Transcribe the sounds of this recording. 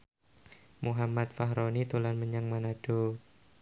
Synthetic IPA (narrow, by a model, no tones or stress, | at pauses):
muɦamat̪̚faɦɾonit̪ulanməɲaŋmanaɖ̥o